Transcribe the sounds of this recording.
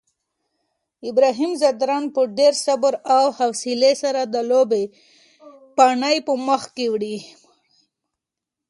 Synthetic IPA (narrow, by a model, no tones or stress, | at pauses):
ɪbɾɑɦimzad̪ɾɑnpəɖeɾsabəɾawhafsilesaɾad̪əlobe | paɳəjpəməxkewɽi